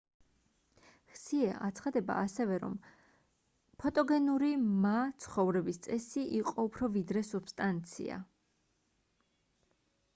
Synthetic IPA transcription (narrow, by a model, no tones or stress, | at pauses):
χsiɛʔa̰t̪sʰχad̪ɛba̰ːsɛvɛɾɔ̰m | pʰɔt̪ʼɔɡɛnuɾimat̪sʰχɔvɾɛbist̪sʼɛsiʔiqʼɔupʰɾɔvid̪ɾɛsub̥st̪ʼant̪sʰḭa̰